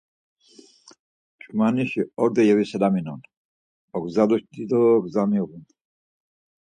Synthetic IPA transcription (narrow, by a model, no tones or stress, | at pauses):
t͡ʃʼmaniʃiɔɾd̪ɛjɛvisɛd̪aminɔn | ɔɡzad̪uʃd̪id̪ɔɡzamiʁun